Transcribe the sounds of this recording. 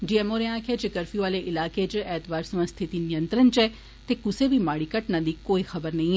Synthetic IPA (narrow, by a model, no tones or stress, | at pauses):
d͡ʒiɛːmoːɾeãkʰed͡ʒekɐɾfjuʋaːleʔɪlaːked͡ʒeɛːt̪baːɾsmə̃st̪ʰɪt̪inijə̃nt̪ɾənt͡ʃɛ | t̪ekʊsebʱimaːɽikɐʈnɐd̪ʱiːkːoːixɐbəɾnɐɦĩɛ